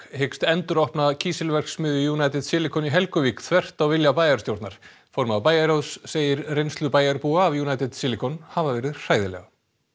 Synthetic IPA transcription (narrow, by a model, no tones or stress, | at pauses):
hejkst̪ɛnt̪ʏɾɔhpnacʰiːsɛlvɛr̥ksmʏːðʏjuːnajt̪ɛðsɪːlɪkʰɔniɦɛlkʏvikθʰvɛr̥t̪awvɪljapaːjaɾst̪jowɾt̪naɾ̥ | fɔɾmapaːjaɾowsːeːjɪɾrejnst̪lʏpaːjaɾpuːaːvjuːnajt̪ɛð̥sɪːlɪkʰɔnhavavɛːɾɪðr̥aːjðɪlɛ̰ɣa